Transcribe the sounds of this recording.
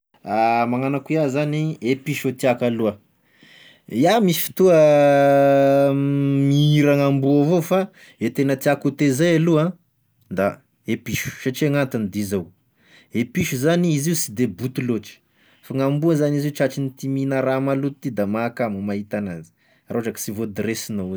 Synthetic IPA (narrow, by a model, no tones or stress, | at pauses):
amaŋanakuiazaniepiʃot̪iakaluə | iamisi̥fi̥t̪uə | miiɾaŋambuavofa | et̪enət̪iakut̪ezajaluã | nd̪a | epiʃu̥ʃaʈ͡ʂeŋant̪inid̪izow | epiʃuzaniiziusid̪ebut̪uloʈ͡ʂi̥ | faŋambuazaniziuʈ͡ʂaʈ͡ʂinit̪iminəɾamalut̪ut̪id̪amakamumaɦit̪anazi̥ | aɾʔoaʈ͡ʂaki̥sivod̪ɾesinou